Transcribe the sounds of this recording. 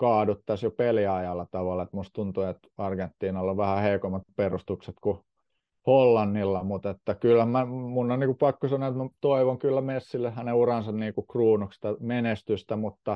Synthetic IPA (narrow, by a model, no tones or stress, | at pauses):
kɑːdut̪ːɑsjopeliɑjɑlːɑt̪ɑʋɑlːˑɑet̪must̪unt̪uet̪ɑrɡent̪ːiːnɑlːoʋʋæhæheikomːɑt̪perust̪ukset̪ku | holːɑnːilːɑmut̪et̪ːækylːæmæmunːonniːkupɑkːosɑnoet̪mæt̪oiʋoŋkylːæmesːilːehhæneurɑnsɑnniːkukruːnukst̪æmenest̪yst̪æmut̪ːɑ